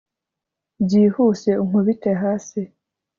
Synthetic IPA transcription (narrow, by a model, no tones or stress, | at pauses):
bɟiːhuːse̞uŋ̥uβiteɦaːsi